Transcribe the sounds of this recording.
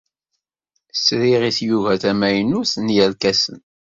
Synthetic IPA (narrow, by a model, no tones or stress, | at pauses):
sɾiʁiθjuvæθæmæjənuθənjælkæsə̰n